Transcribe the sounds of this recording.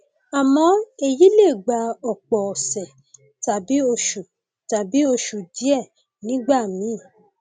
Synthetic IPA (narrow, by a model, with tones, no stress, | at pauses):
a˨mɔ̃˧˦e˧ji˨˦le˦˨ɡ͡ba˨˧˦ɔ˨k͡pɔ˨sɛ˨ | ta˨bi˨˦o˧ʃu˨ | ta˨bi˨˦o˧ʃu˨di˨˦ɛ˦˨ | nĩ˦ɡ͡ba˦˨mĩ˨˦˨